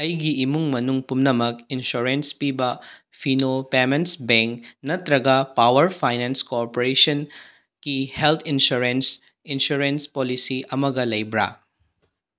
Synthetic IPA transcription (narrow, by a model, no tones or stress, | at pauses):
ɐjɡiːmuŋmɐnuŋpumnɐmɐkinsuɾenspibɐ | pʰinopemensbeŋknɐt̪ɾɐɡɐpawɐɾpʰajnenskoɾpoɾesɐn | kihelt̪ʰinsuɾens | insuɾenspolisiʔɐmɐɡɐlɐjbɾa̰